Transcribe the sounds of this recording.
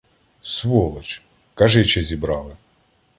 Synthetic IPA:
sʋɔlˠɔt͡ʃ | kɑʒɛjt͡ʃɛzʲibɾɑʋˠɪ

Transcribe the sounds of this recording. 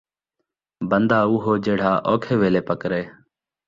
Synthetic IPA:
bənd̪aːʊɦoːd͡ʒeːɽ̤aːʔoːkʰeːʋeːleːpəkɾeː

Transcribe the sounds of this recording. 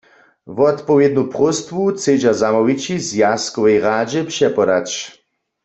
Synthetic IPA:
vɔt̪pɔvjɛd̪̚nupʁʊst̪vut͡sed͡ʑazamɔwit͡ɕizjaskɔvɛjʁaːd͡ʑɛpʂɛpɔd̪at͡ɕ

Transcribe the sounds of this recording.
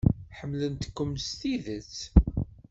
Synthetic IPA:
ħəmːlənt̪kːəmst̪iðət͡s

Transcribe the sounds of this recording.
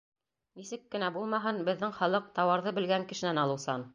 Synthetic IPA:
nisɘkːɘ̆næbulˠmɑɦɤnbɘ̆ðːɘŋχɑlˠɤq̚t̪ɑwɑɾðɤbɘ̆lɡæŋkɘ̆ʃɘ̆nænɑlˠɤ̆wsɑn

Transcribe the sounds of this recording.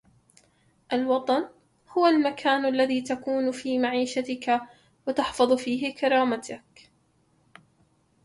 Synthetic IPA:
ʔalwɑt̪ˤɑn | hʊwalmakʰaːnalːaðiːt̪akuːnfiːmaʕiːʃat̪ɪka | wɪt̪ɑħfɑðˤfiːɦɪkɑɾˤɑːmat̪ʰak

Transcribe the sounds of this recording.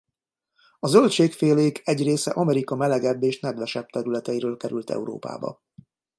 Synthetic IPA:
ɒzølt͡ʃeːkfeːleːkɛɟreːsɛ̰ʔɒmɛɾikɒmɛlɛɡɛbːeːʃnɛd̪vɛʃɛb̚t̪ɛɾylɛt̪ɛjiɾøːlkɛɾylt̪ɛ̰uɾo̰ːpa̰ːbɒ̰

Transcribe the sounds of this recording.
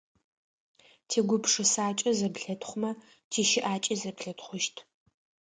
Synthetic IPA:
tʰeːɡʷʊpʰʂɨsaːt͡ʃʼɐzɐbɬɐtʰχʷʊmɐ | tʰiːʃɪʔaːt͡ʃʼizɐpɬɐtʰχʷʊʃtʰ

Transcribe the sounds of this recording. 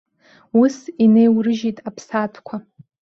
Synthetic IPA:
usine̞jwrɨʒitʼapʰsatʰkʷʰa

